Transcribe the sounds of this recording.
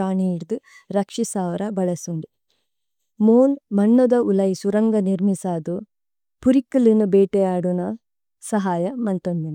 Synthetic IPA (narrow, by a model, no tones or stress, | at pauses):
aːɳiiɽd̪u | ɾɐkʂisaːʋɐɾɐbɐɭɐsuɳɖi | moːnmɐnːɐd̪ɐulɐjisuɾɐŋɡɐniɾmisaːd̪u | puɾikːilinːubeːʈejaːɽunɐ | sɐɦaːjɐmɐnt̪ond̪inɐ